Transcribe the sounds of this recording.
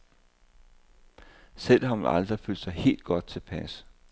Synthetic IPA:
sel̰hɑ̈meɑ̈ld̥ʁifyl̰̥sɑ̈ɪhe̝̰ːld̥̚ɡ̥ɒ̽d̥̚t͡sʰe̝pʰæs

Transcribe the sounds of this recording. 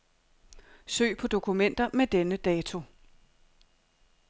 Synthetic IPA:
sø̰ːɪpʰɒ̽d̥o̝kʰumen̰d̥ɐmed̥enəd̥ɛːt͡sʰo̝

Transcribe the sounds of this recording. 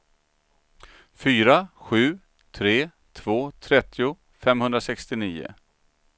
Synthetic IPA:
fyːɾaɧʉ̟ː | t̪ʰɾeː | t̪ʰvoːt̪ʰɾɛt̪ːɪʊ | fɛmhɵnd̪ɾasɛkst̪ɪniːʊ̰

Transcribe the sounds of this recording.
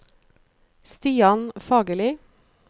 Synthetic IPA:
st̪iːɑnfɑːɡəliː

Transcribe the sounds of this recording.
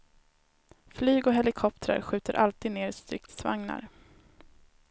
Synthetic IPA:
flyːɡɔɦɛlɪkʰɔp̚t̪ɾə̰ɾɧʉ̟ːt̪əɾʔalt̪iːd̪neːɾst̪ɾɪ̰k̚t̪sva̰ŋna̰ɾ

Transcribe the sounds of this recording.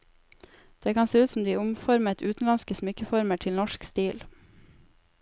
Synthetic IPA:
d̪̥eːkʰɑnseːʉːt̪sɔm̩d̪iːʊmfɔɾmət̪ʉːt̪n̩lɑnskəsmʏkəfɔɾməʈʰɪlnɔʃkst̪iːl

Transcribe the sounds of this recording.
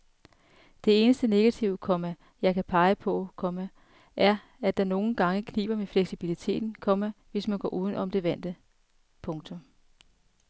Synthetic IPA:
d̥e̝e̝ːnəsd̥əne̝ɡ̥æt͡sʰiʊ̰əkʰɒ̽mæ | jɑ̈ɪkʰæpʰɑ̈ɪəpʰɒ̽kʰɒ̽mæ | ʔæɐ | æd̥ɑ̈no̝ːn̩ɡ̥ɑ̈ŋəkʰnḭːb̥ɐmefleɡ̥sib̥ilit͡sʰe̝̰ːd̥n̩kʰɒ̽mæʋe̝smænɡ̥ɒ̰ːʔuːðˠn̩ʔɒ̽md̥e̝ʋæn̰d̥ə | pʰɔ̽ŋt͡sʰɔ̽m

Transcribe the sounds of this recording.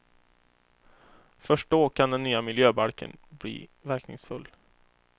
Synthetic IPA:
fœʂʈ̚d̪oːkʰand̪ɛnːyːamɪljøːbaɾkʰə̰nblḭːvæɾknɪ̰ŋsfɵlː

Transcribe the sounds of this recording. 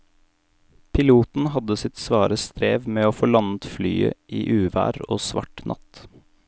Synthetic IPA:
pʰɪluːt̪n̩hɑd̪əsɪt̪sʋɑːɾəst̪ɾeːʋmeːoːfoɭɑnət̪flyːəʔiːʔʉːʋæ̰ːɾo̰ːsʋɑ̰ʈnʔɑ̰t̪

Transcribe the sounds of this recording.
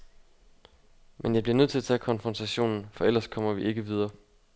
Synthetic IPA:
menjɑɪb̥liɐnøð̞̰ˠʰe̝læt͡sʰɛ̰ːkʰɒ̽nfʁɒnt͡sʰæɕo̝̰ːnn̩fɒ̽el̰ɐskʰɒ̽m̰ɐʋie̝ɡ̥əʋið̞ˠɐː

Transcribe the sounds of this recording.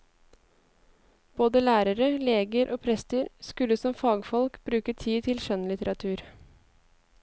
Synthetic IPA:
b̥oːd̪əlæːɾəɾəleːɡəɾʔoːpʰɾɛst̪əɾskʉləsɔmfɑːɡfɔlkbɾʉːkət̪ʰiːt̪ʰɪlʃœnlɪt̪əɾɑt̪ʰʉːɾ

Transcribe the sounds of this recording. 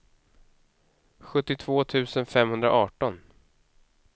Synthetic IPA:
ɧɵt̪ːɪt̪ʰv̥oːt̪ʰʉ̟ːsənfɛmhɵnd̪ɾa̰ʔɑːʈɔn

